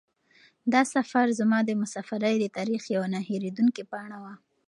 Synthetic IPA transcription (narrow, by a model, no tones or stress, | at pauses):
d̪ɑsafaɾzamɑd̪əmʊsɑfaɾajd̪ət̪ɑɾixjawanɑheɾed̪uŋkipɑɳ̃awa